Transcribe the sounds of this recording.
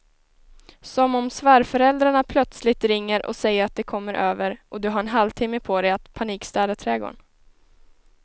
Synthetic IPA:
sɔmɔmsvæːɾfœɾɛld̪ɾaɳapʰlœt̪slɪt̪ɾɪŋːəɾʔɔ̰sɛjːəɾat̪̚d̪ɛkʰɔmːəɾʔøːvəɾɔd̪ɵɦaɾɛnɦalvt̪ʰɪmːəpʰod̪ɛjat̪pʰaniːkst̪ɑːd̪at̪ʰɾɛɡo̰ːɳ

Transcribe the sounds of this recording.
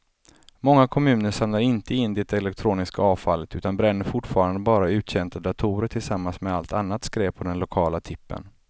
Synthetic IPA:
mɔŋːakʰɔmʉ̟ːnəʂamnaɾɪnt̪əɪnːd̪ɛt̪ɛlɛk̚t̪ʰɾuːnɪskaɑːvfalːət̪ʉ̟ːt̪anbɾɛnːəfʊʈːfɑːɾand̪əbɑːɾaʉ̟ːt̪ɕɛnt̪ʰad̪at̪ʰuːɾəʈʰɪlsamːansmɛalt̪anːat̪skɾɛːppʰːɔd̪ɛnlʊkʰɑːlat̪ʰɪpːə̰n

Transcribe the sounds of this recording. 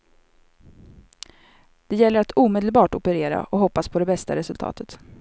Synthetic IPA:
d̪̥ɛjɛlːəɾat̪uːmeːd̪əlbɑːʈɔpəɾeːɾa̰ʔɔɦɔpːaspʰɔd̪ɛbɛst̪a̰ɾɛsɵlt̪ʰɑ̰ːt̪ʰət̪

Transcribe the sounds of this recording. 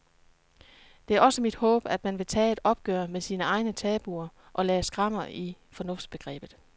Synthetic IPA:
d̥e̝æɐɒ̽səmid̥hɔ̰̽ːb̥æd̥mænʋe̝t͡sʰɛ̰ːe̝d̥ɒ̽b̥ɡ̥œɐ̰mesiːnəɑ̈ɪnət͡sʰɛːb̥uɐ | ʔɒ̽lɛːsɡ̥ʁɑ̈m̰ɐi | fɒ̽nɔ̽fd̥sb̥e̝ɡ̥ʁɛ̰ːb̥ð̞̩ˠ

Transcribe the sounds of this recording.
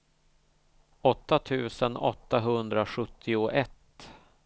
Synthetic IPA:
ɔt̪ːat̪ʰʉ̟ːsənɔ̰t̪ːaɦɵnd̪ɾaɧɵt̪ʰːɪʊʔɛt̪ː

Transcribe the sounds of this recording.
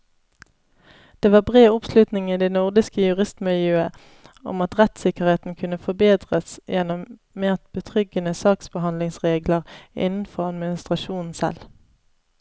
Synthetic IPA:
d̪̥eːʋɑːbʁeːʊpslʉt̪nɪŋiːd̪ɛnʊʁd̪ɪskəjʉʁɪst̪mɪljøːə | ɔ̰mɑt̪ʁɛt̪sɪkəʁeːt̪n̩kʰʉnəfɔbeːd̪ʁəsjɛnɔm | meːʁt̪̚b̥ət̪ʰʁʏɡənəsɑːksb̥əɦɑnlɪŋsʁeːɡləʁʔɪ̰nn̩fɔʁɑd̪mɪnɪst̪ʁɑʃuːnn̩sɛ̰l

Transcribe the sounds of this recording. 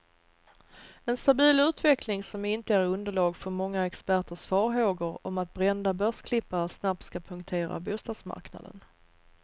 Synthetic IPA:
ɛnst̪abiːlʉ̟ːt̪vɛklɪŋsɔmɪnt̪əæɾɵnd̪əɭɑːɡfœɾmɔŋːaɛkspæʈəʂfɑːɾɦoːɡəɾɔmat̪̚bɾɛnd̪abœʂkʰlɪpːaɾsnap̚t̪skapʰɵŋk̚t̪ʰeːɾa̰buːst̪ɑːd̪sma̰ɾkna̰d̪ə̰n

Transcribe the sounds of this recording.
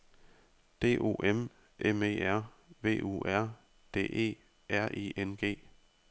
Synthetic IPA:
d̥e̝̰ːʔo̝̰ːʔem | ʔeme̝̰ːæɐ̰ | ʋe̝̰ːʔṵːæɐ̰ | d̥e̝̰ːʔe̝̰ː | ʔæɐ̰ʔḭːʔenɡ̥e̝̰ː

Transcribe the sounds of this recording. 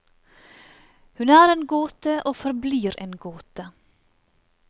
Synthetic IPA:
hʉnæːɾeːnɡoːt̪əʔoːfɔɾbliːɾḛːnɡoːt̪ə

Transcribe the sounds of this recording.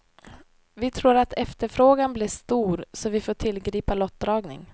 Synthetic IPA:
vɪt̪ʰɾuːɾat̪ʰɛft̪əɾfɾoːɡanblɪːʂt̪uːɾsɔvɪfoːʈ̪ʰɪlɡɾiːpalɔt̪̚d̪ɾɑːɡnɪ̰ŋ

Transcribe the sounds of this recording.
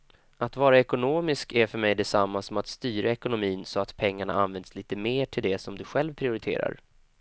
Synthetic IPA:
ʔat̪vɑːɾaɛkʊnoːmɪskæɾfœɾmɛjd̪ɛsamːasɔmat̪st̪yːɾaɛkʊnʊmiːnsɔat̪pʰɛŋːaɳa̰a̰nvɛnd̪sliːt̪əmeːʈʰɪld̪ɛsɔmd̪ɵɧɛlvpʰɾɪʊɾɪt̪ʰḛːɾa̰ɾ

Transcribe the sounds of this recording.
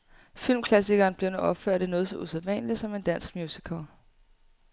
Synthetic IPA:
fil̰mkʰlæs̬iɡ̥ɐːnb̥le̝ʊnoɒ̽b̥føɐ̰ɾ̥enɔ̽ːð̞ˠsɒ̽ʔusæðˠʋɛ̰ːnlisɒ̽me̝nd̥æn̰sɡ̥mjuːsikʰɐ

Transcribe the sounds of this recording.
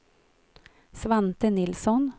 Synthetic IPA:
sʋænt̪ənɪlsɔn

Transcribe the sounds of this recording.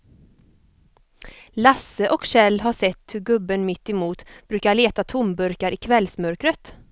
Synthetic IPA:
lasːəʔɔkɕɛlːɦaʂɛt̪ːhɵɾɡɵbːənmɪt̪ːɪmuːt̪b̥ɾʉ̟ːkaɭeːt̪at̪ʰʊmbɵɾkaɾʔɪkʰvɛlsmœɾkɾət̪

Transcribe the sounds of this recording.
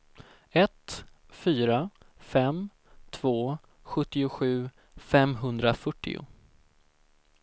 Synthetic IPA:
ɛt̪ | fyːɾafɛm | t̪ʰv̥oː | ɧɵt̪ːɪʊɧʉ̟ː | fɛmɦɵnd̪ɾafœʈːɪ̰ʊ̰

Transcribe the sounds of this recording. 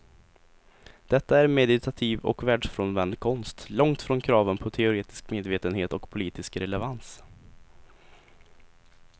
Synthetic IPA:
d̪̥ɛt̪ːaæɾmɛd̪ɪt̪ʰat̪ʰiːvɔ̰kvæːɖʂfɾɔnvɛnd̪kʰɔnst̪lɔŋt̪fɾɔnkʰɾɑːvənpʰɔt̪ʰɛʊɾeːt̪ɪ̥skmeːd̪veːt̪ənheːt̪ɔkpʰʊliːt̪ɪskɾɛlɛvans

